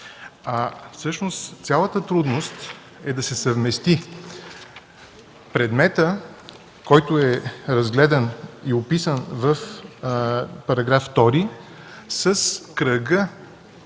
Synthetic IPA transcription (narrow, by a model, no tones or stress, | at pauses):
afsɤʃnost̪t̪sʲalˠət̪ət̪ɾud̪nost̪ | ɛd̪ɐsɛsəvmɛst̪i | pɾɛd̪mɛt̪ə | kɔjt̪ʊɛɾɐzɡlɛd̪ɐniopisənvəf | pɐɾɐɡɾafːt̪ɔɾi | səskɾəɡə